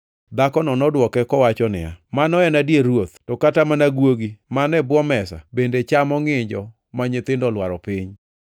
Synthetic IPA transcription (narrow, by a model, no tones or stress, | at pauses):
d̪akɔnɔnɔdwɔkɛkɔwat͡ʃɔnɪ̰ja̰manɔɛnadjeɾwot̪̚tɔkatamanaɡwoɡimanɛbwɔmɛsa̰bendet͡ʃamɔŋɪɲd͡ʒɔ | maɲɪt̪ɪndɔlwaɾɔpɪɲ